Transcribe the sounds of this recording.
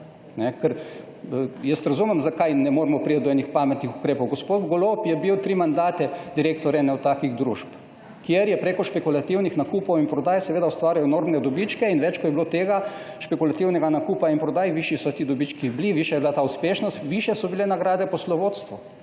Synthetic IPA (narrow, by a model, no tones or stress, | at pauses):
nɛkɛɾ | jɛst̪ɾɐzumɛmzakajnɛmoːɾmɔpɾijɐt̪d̪ɔɛnixpamɛt̪nixukɾeːpɔwɡospoːd̪bɡolopjɛbiwt̪ɾimand̪aːt̪ɛd̪iɾekt̪ɔɾɛnɛwt̪aːkiɣd̪ɾṵʃp | kjeɾjɛpɾekɔʃpɛkulat̪iwnixnakuːpowinpɾɔd̪aːjsɛʋeːd̪aust̪ʋaːɾjajɔnoːɾmnɛd̪ɔbit͡ʃkɛinʋɛt͡ʃkɔt̪jɛblot̪eːɡa | ʃpɛkulat̪iwnɛɡanakuːpainpɾɔd̪aːjʋiʃisɔt̪iːd̪ɔbit͡ʃkibliʋiʃɛjblat̪aːuspeːʃnɔst̪ʋiʃjɛsɔbilenaɡɾaːd̪ɛpɔslɔʋot̪st̪ʋu